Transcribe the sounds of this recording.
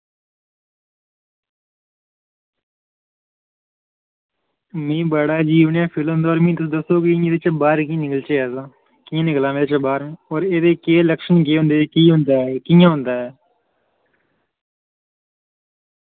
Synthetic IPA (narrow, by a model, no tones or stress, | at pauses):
mẽːbəɽaːd͡ʒiːʋɳjãːpʰɪl̃nd̪oːɾmĩːt̪əd̪əsoːkiĩed̪eːt͡ʃəbaːɾkĩnɪkəlt͡ʃeːɛːzãː | kiːãːnɪklaːmeːd̪eːt͡ʃəbaːɾmẽːoːɾeːd̪eːkeːləkʃənɡeːɦʊ̃nd̪eːkiːɦʊ̃nd̪aːɛkijãːɦʊ̃nd̪aːɦɛː